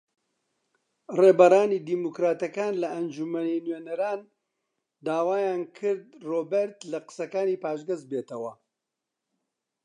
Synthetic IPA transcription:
reːbɐraːniːd̪iːmukɾaːt̪ɐkaːnlɐʔɐnd͡ʒumɐninɥeːnɐɾaːn | d̪aːwaːjaːnkʰɨɾd̪̚roːbeɾt̪lɐqɨ̥sɐkaːniːpaːʃɡɐzbeːt̪ɐwɐ

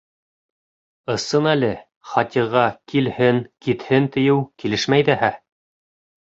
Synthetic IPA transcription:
ɤ̆sɤnælɘ | χɑt̪ʲiʁɑkʰilhɘŋkit̪hɘnt̪ɘ̆jɘwkilɘʃmæjðæhæ

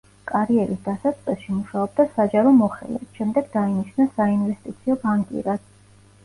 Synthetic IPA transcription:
kʼaɾiɛɾisd̪̥asat̪sʼqʼɛsʃimuʃaɔb̚d̪asad͡ʒaɾɔmɔχɛ̰lɛ̰t̪ʃɛmd̪ɛɡd̪ainiʃnasainvɛst̪ʼit̪sʰiɔbaŋkʼḭɾad̪̥

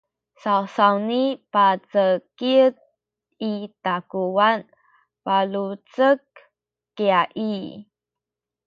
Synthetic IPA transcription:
sawsawnipat͡səkiət̚ | itakuwan | palut͡səkː | eaʔi

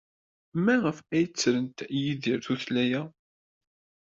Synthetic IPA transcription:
mæʁəfæjt͡sːɾənt̪jiðiɾθuθlæjæ

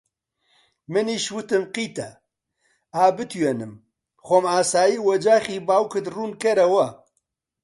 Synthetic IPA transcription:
mɨniːʃwɨt̪ɨmqiːt̪ɛ | aːbɨt̪ʰujɛnɨm | xʷomaːsaːjiːwɐd͡ʒaːχiːbaːwkɨd̪ruːnkɛɾɐwɐ

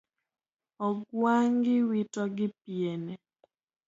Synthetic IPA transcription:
ɔɡwaŋɡɪwitɔɡɪp̚jene

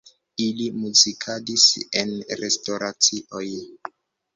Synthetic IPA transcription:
ilimuzikʰadise̞nɾestoɾat͡siʔoj

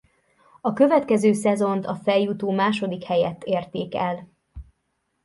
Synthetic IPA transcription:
ɒkø̞vɛt̪kɛzøːsɛzo̞nt̪ɒfɛjːut̪oːmaːʃo̞d̪ikhɛjɛt̪ːeːrt̪eːkɛl

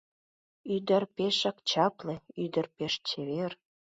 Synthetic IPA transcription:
yd̪ərpeʃɑkt͡ɕɑpleyd̪ə̆rpeʃt͡ɕeβer

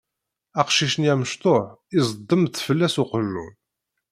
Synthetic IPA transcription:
æqʃiʃniæməʃt̪ˤoʕɪzˤd̪ˤːəmθfəlːæsʊqəlːṵn

